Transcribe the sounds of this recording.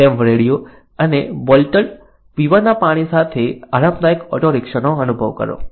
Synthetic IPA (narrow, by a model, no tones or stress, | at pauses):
ɛmʋəɾeɽjo | ənebɔlʈəɭ | ʋiʋanapaɽ̃isat̪ʰeaɾãmd̪ajəkɔʈoɾekʃənoənubʱəʋkə̰ɾo̰